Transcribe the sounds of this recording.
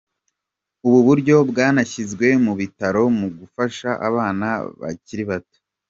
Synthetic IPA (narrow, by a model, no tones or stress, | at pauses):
uβuβuɾɟo̞bɡaːnaçizɡwe̞muβitaɾo̞muɡufaʃaʔa̰βaːna̰βa̰ciɾiβato̥